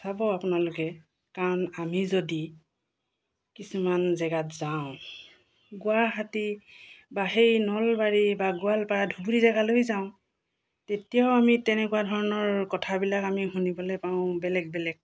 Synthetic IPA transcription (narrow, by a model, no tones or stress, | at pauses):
sabɔapʊnalʊkɛ | kaɹɔnamizodi | kisumanzɛɡatzaʊ̃ | ɡʊaɦatibaɦejnɔlbaɹibaɡʊalpaɹadʱubulizɛɡalojzaʊ̃ | tetijaʊamitɛnɛkuadʱɔɹɔnɔɹkɔtʰabilakamiɦunibɔlɔpaʊ̃bɛlɛɡ̚bɛlɛk̚